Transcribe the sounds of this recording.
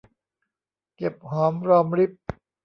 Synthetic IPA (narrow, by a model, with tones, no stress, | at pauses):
ke˨˩p̚hɔː˩˦mɾɔː˧mɾi˦˥˩p̚